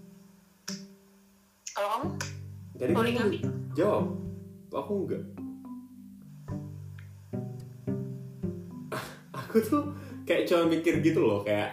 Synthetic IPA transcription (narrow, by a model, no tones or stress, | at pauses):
kalɔ | d͡ʒadiolɪŋambɪd͡ʒaat̪akuəŋɡa̰ʔ | akut̪ʊkajaʔt͡ʃaɾamikɪrɡit̪ulɔkajaʔ